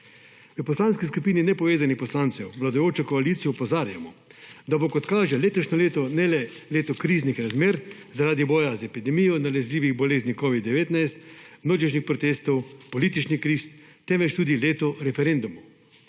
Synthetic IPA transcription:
ʋəpɔslaːnskiskupiːninɛpɔʋeːzanixpɔslaːnsɛwʋlad̪ʊjoːt͡ʃɔkɔalit̪sijɔupɔzaːɾja̰mɔd̪abokɔt̪kaːʒɛleːt̪ɔʃnɔleːt̪ɔnɛlɛleːt̪ɔkɾiːznixɾazmeːɾzaɾaːd̪ibɔːjazɛpid̪ɛmijɔnalɛzlʲiːʋiɣbɔleːznikɔʋid̪ːɛʋeːt̪najst̪mnoːd͡ʒiʃnixpɾɔt̪eːst̪ɔwpɔliːt̪it͡ʃnikɾist̪t̪ɛmʋɛt͡ʃt̪uːd̪ileːt̪ɔɾɛfɛɾend̪umu

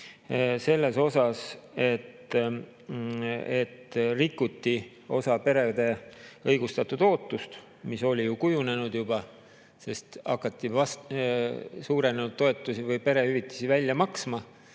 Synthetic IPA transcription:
se̞lːe̞so̞sɑse̞t̪ | et̪ːrikːut̪ːi | o̞̰sɑpe̞ɾe̞d̪̥e̞ɤjɡ̥ust̪ɑt̪ːud̪̥o̞ːt̪ˑːust̪ | miso̞lʲijukujune̞nud̪̥jub̥ɑ | se̞st̪ɑkːˑɑt̪ːivɑs | suːɾe̞nenud̪̥̚t̪ːoe̞t̪ːˑusivɤjpe̞ɾe̞hyvit̪ːˑɑ̥sivælʲjɑmɑksmɑ

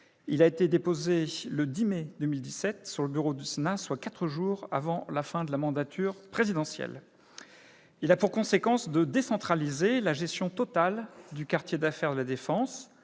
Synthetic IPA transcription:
ilaet̪ed̪epozeləd̪imɛd̪əmild̪isɛt̪syʁləbyʁod̪ysenaswakat̪χəʒuʁa̰vɑ̃lafɛ̃d̪əlamɑ̃d̪at̪ʰyʁpχezid̪ɑ̃sjɛ̰l | ilapuʁkɔ̃sekɑ̃sd̪əd̪esɑ̃t̪χalizelaʒɛst̪jɔ̃t̪ɔt̪ald̪ykaʁt̪jed̪afɛʁd̪əlad̪efɑ̃s

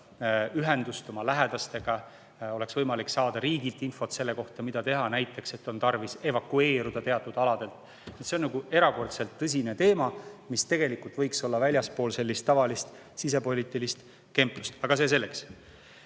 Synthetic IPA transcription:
yɦe̞nd̪̥ust̪o̞mɑlæɦed̪̥ɑst̪e̞ɡ̥ɑ | o̞le̞ksvɤjmɑliksɑːd̪̥ɑɾiːɡilt̪ːˑinfo̞t̪se̞lːe̞ko̞ht̪ɑmid̪̥ɑt̪e̞ɦɑnæjt̪ːˑe̞kse̞t̪ːˑo̞nt̪ɑrvise̞vɑkue̞ːɾud̪̥ɑt̪e̞ɑt̪ːˑud̪̥ɑlɑd̪e̞lt̪ˑ | nit̪senɑɡue̞ɾɑko̞rt̪se̞lt̪ːɤs̬ʲine̞t̪e̞ːmɑmist̪e̞ɡ̥e̞likːult̪vɤjkso̞lːɑvælʲjɑspo̞ːlse̞lʲːist̪ːɑvɑlist̪ | sis̬e̞po̞lʲit̪ːˑilist̪ | ke̞mpːu̥st̪ɑɡ̥ɑs̬e̞s̬e̞lːe̞ks

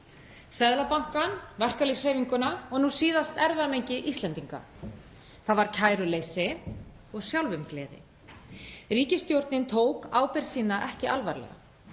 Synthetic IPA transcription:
sɛðlapaŋ̥kanvɛr̥kalishejviŋkʏnaɔɣnusiːðast̪ɛɾðamejɲcɪʔist̪lɛnt̪iŋka̰ | θaðvaɾ̥cʰaːjɾʏleːjsɪ | ɔɣsjawlvʏmklɛːðɪ̰ | riːcɪst̪jowɾt̪nɪnt̪ʰoːwkaːwpɛɾ̥siːnaʔɛhcɪʔalvaɾlɛ̰ɣa̰

